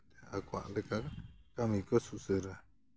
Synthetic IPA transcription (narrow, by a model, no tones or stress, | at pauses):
t̪eakʷa̰lekakamĩkosusɨɾa